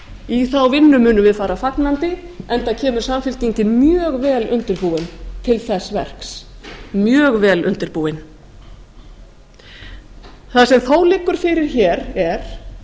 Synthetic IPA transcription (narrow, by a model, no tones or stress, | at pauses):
iθawvɪnːʏmʏːnʏmvɪðfaːɾafaknant̪ɪ | ɛnt̪acʰɛːmʏɾ̥samfɪl̥t̪iɲcɪmjœːɣvɛːlʏ̰nt̪ɪɾpuɪnt̪ʰɪlθɛsːvɛ̰r̥ksmjœːɣvɛːlʔʏ̰nt̪ɪɾpuɪn | θasɛmθowlɪːkʏɾ̥fɪɾɪɾ̥çɛːɾɛɾ̥